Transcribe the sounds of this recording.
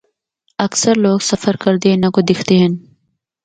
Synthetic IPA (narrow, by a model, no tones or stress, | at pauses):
ɐksɐɾloːɡsɐfəɾkɐɾd̪enɐkod̪ɪxʰt̪eɦen